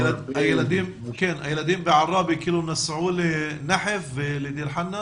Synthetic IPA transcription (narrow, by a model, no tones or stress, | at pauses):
lʔæjlæd̪iːm | keːnʔæjːlæd̪iːmbɪʕɑrˤːɑːbikɪlunasʕuːlinaħɪflɪd̪iːɾħanːa